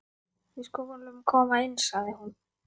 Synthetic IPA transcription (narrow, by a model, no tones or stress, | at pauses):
ɪskɔkɔɾlʏmkʰɔːmaɪnːsaðɪhun